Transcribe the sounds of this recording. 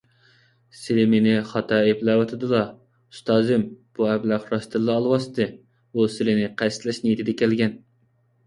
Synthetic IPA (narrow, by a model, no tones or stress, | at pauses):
sɪlɪmenɪχɑt̪ʰɑeblˠɑːwɑt̪ʰɨd̪ɨlˠɑ | u̥st̪ɑːzɨmb̥uɛblɑqɾɑst̪ɨɾlˠɨɑlˠwɑst̪ɨ | usɪlɪnɪqʰæst̪lɛʃnɪjt̪ʰɪd̪ɛkʲʰælɡʲɛn